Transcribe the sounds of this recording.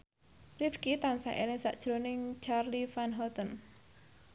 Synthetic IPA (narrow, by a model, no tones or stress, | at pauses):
rifkit̪ansaʔḛlɪŋsa̰ʔd̥ʒ̥ɾonɪŋt͡ʃarlifanɦɔt̪ən